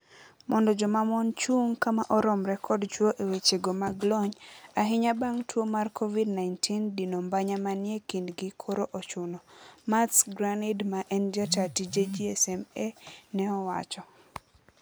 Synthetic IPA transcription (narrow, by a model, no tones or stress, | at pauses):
mɔndɔd͡ʒɔmamɔnt͡ʃuŋkamaʔɔɾɔmɾɛkʰɔdt͡ʃwoʔewet͡ʃeɡomaɡlɔɲaɦɪɲabaŋtʰwomarkʰovidnaɪntʰindinombaɲamanjekindɡikʰoɾoʔɔt͡ʃʊnɔmatsɡɾanidmaʔɛnd͡ʒatatid͡ʒed͡ʒiɛsɛmenɛɔwa̰t͡ʃɔ